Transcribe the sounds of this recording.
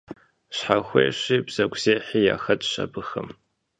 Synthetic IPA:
ɕħaxʷḛːʃʷibz̥ɐɡʷz̥eːħija̰xɐtʼʃa̰bɨxɨ̰m

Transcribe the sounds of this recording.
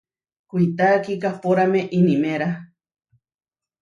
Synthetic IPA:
kʷiit̪aːkikahpoɾameʔinimeɾa

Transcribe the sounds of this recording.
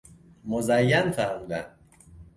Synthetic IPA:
mozæjːænfæɾmuːd̪æn

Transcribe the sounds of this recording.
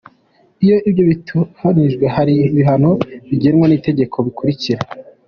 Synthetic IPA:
ijo̞ibjo̞βituaniʒɡwe̞haɾiβiɦanoβiɟenwonite̞ɟe̞kʰo̞βikuɾiciɾe

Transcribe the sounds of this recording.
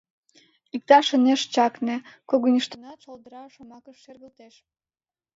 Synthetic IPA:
ik̚t̪ɑʃəneʃt͡ɕɑknĕkoɣonʲiʃt̪ənɑt̪ʃold̪əɾɑʃomɑkəʃːerɣəlt̪eʃ

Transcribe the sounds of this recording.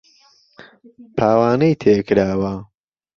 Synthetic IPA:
pʰaːwaːnɐjt̪ʰeːkɨɾaːwɐ

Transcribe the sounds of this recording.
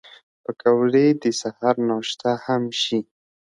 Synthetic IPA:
pəkawɽed̪əsahaɾnɑʃt̪ahamʃi

